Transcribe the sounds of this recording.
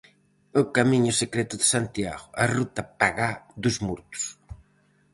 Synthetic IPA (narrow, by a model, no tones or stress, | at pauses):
okamiɲʊsekɾɛt̪ʊðesant̪ja̰ɣʊʔɐrut̪ɐpaɣaðʊzmuɾt̪ʊ̥s